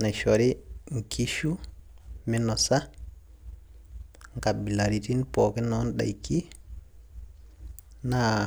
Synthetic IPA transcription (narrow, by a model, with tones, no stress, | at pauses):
na˨ʃoɾi˦ŋ˨kʰi˦ʃu˦mi˦no˨sa˦ | ŋka˨bi˨la˨ɾi˨ti˦npo˨ki˦no˦nɗa̰˨jki˦ | na